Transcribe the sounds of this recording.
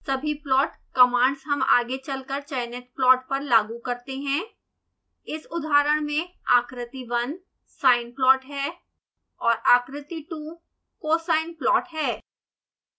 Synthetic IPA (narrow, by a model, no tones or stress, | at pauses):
sɐbʱiplɔːʈkɐmãːɳɖsɦɐma̰ːɡet͡ʃɐlkəɾt͡ʃɐjnet̪̚plɔːʈ̚pɐɾlaːɡukɐɾt̪eɦɛ̃ː | ɪsʊd̪ʱaːɾəɽ̃mẽaːkɾɪt̪iʋɐn | saːɪnplɔːʈɦɛː | ɔːɾaːkɾɪt̪iʈu | koːsaːɪnplɔːʈɦɛː